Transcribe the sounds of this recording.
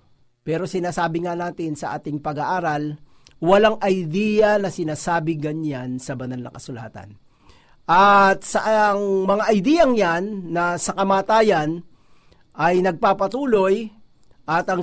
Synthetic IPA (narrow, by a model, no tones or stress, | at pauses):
pɛːɾo̞sɪnaːsaːbɪŋanaːt̪ɪnsɐʔa̰ːt̪ɪŋpɐɡaʔaːɾɐl | wɐlaŋʔɐjd̪ijɐnɐsɪnaːsaːbɪɡɐɲansɐbɐnalnɐ̰kɐsʊla̰ːt̪ɐ̰n | ʔɐt̪̚sɐʔŋmɐŋaʔɐjd̪iːjɐŋjanːɐsɐkɐmaːt̪aːjɐn | ʔɐjnɐɡ̚paːpɐt̪uːlo̞j | ʔɐt̪ɐŋ